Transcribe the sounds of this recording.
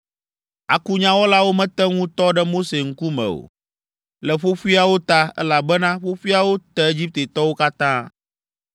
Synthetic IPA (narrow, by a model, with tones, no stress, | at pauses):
a̰˨ku˦ɲã˦wo˦la˦wo˦mɛ̃˦t̪ɛ˦ŋũ˦t̪ɔ˦ɖɛ˦mo˦se˨ŋ̩˦ku˦mɛ̰̃˨o̰˨ | lɛ˨ɸo˦ɸi˦a˨wo˦t̪a˦ɛ̰˦la˨bɛ˦nã˦ɸo˦ɸi˦a˨wo˦t̪ɛ˦e˦d͡ʑi˦p̚t̪e˨t̪ɔ˦wo˦ka˦t̪ãː˦